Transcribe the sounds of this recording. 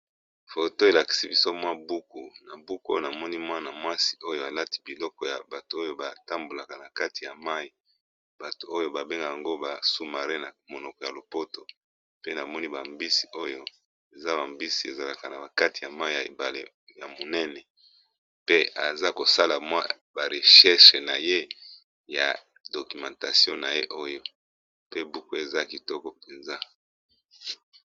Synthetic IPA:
fo˨to˦e˨la˨ki̥˨si˦bi˦so˦mwa˦bu˦ku˨na˨bu˦ko̰˦jo˦˨na˨mɔ˦ni˦mwa˦na˨mwa˦si̥˨ʔo˦jo˦a˨la˦ti̥˦bi˨lɔ˦kɔ˨ja˨ba˨to˨o˦jo˦ba˨ta˦mbo˨la˨ka˨na˨ka˦ti˨ja˨ma˦i˨ | b̥a˨to˨o˦jo˦ba˨be˦ŋɡa˨ja˨ŋɡo˦ba˨su˦ma˨ʁe˦na˨mo˨nɔ˨kɔ˨ja˨lo˨po˦to˨ | pe˦na˨mɔ˦ni˦ba˨mbi˦si̥˨o˦jo˦ | e˨za˦ba˨mbi˦si˨e˨za˨la˨ka˨na˨ba˨ka˦ti˨ja˨ma˦˨ja˨ḛ˨ba˨lḛ˨ | ja˨mo˨nɛ˦nɛ˨ | pe˦ʔa˨za˦ko˨sa˦la˨mwa˦ | ba˨ʁe˨ʃɛ˦ʃe˨na˨je˦ | ja̰˨ | do˨ky˨mã˨ta˨sjɔ̃˦na˨je˦ʔo˦jo˦ | pe˦bu˦ku˦e˨za˦ki˨tɔ˦kɔ˦pe˨nza˦

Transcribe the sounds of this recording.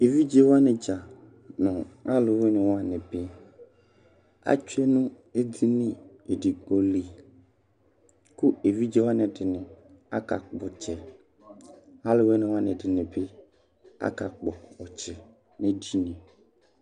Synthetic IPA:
e˨vi˦d͡ʒe˦wa˦nɪ̃˨d͡ʒa˨ | nʊ̃˨a˦lɪ˨we˦nɪ̃˨wa˦nɪ̃˨bɪ˦ | a̰˦t͡ʃu˦e˦nũ˦ | e˦d̪i˦nɪ̃˦ | e˨di˨k͡pɔ˨li˨ | ku˦e˨vi˦d͡ʒe˦wa˦nɪ̃˨dɪ˨nɪ̃˨ | a̰˦ka̰˨k͡pɔ˨t͡ʃɛ˨ | a˦lɪ˦we˦nɪ̃˨wa˦nɪ̃˨dɪ˨nɪ̃˨be˦ | a̰˦ka˨k͡pɔ˨ɔ˨t͡ʃɛ˨ | nɪ̃˦di˦nɛ̃˨

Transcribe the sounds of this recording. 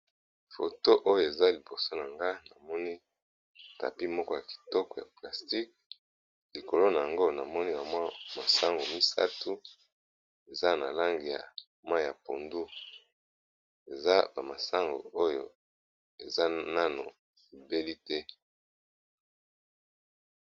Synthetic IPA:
fo̰˨to˦ʔo˦jo˦˨e˨za˦li˨bo˨so˦na˨ŋɡa˦na˨mɔ˦ni˦ | ta̰˨pi˦mɔ˦kɔ˦ja˨ki̥˨tɔ˦kɔ˨ja˨pla˨sti˦k̚ | li˨ko˨lo˦na˨ja˨ŋɡo˦na˨mɔ˦ni˦ba˨mwa˦ma˨sa˦ŋɡo˨mi˦sa̰˦tu˦ | e˨za˦na̰˨la˦ŋɡi˨ja̰˨ | ma˦˨ja˨po˨ndu˦ | e˨za˦ba˨ma˨sa˦ŋɡo̰˨o˦jo̰˨ | e˨za˦na˦no̰˨ | i˨be˦li˦tɛ˦

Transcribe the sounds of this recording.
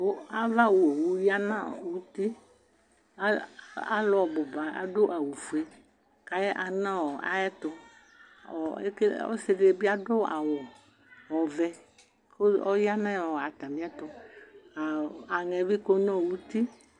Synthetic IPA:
o˦a˦va˦wo˨e˨wu˨ja˦nã˦˨wu˦t̪i˦ | a˦a˦lɔ˨bɔ˨ba˨a̰˨ɖo˦ʔa˨wu˨fu˨e˦ | ka˨jɛ˦ʔa˨nã˦wɔ˨a̰˨jɛ˦t̪ʊ˧ | ɔ˨ḛ˦ke˦ɔ̰˦se˧ɖe˦bi˦a˦ɖo˦a̰˨wɔ˨ | wɔ˨vɛ˨ | ko˦ɔ˦ja˦nã˦˨a˨t̪a˨mĩ˦a˦t̪ʊ˨a˨a˨ŋɛ˨vi˦ko˦nɔ̃˦˨wu˦t̪i˦

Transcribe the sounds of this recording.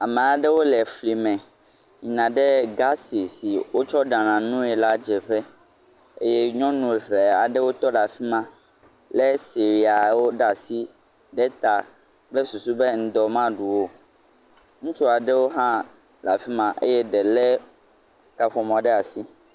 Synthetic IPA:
a˨mɛ̃˨a˨ɖɛ˦wo˦lɛ˨fli˨mɛ̃˨ | ɲĩ˨nã˨ɖe˦ɡa˦si˨si˨wo˦t͡ʃɔ˦ɖã˨nã˨nũ˦ɛ˨la˦d͡ʒɛ˨ɸɛ˦ | ḛ˦jɛ˦ɲɔ̃˦nũ˨ɛ˨ɸe˨a˨ɖɛ˦wo˦t̪ɔ˦la˨fi˦mã˦ | lɛ˦si˨ɾi˨a˨wo˦ɖa˨si˦ | ɖɛ˦t̪a˨ | bɛ˦su˨su˦be˦ŋ̩˦d̪ɔ˨mã˦ɖu˨wo˦ | ŋũ˦t͡ʃɔ˦a˨ɖɛ˦wo˦ɦã˦ | la˨fi˦mã˨ʔḛ˦jɛ˦ɖɛ˨lɛ˦ | ka˨ɸɔ˨mɔ̃˨˦ɖɛ˦a˨si˦

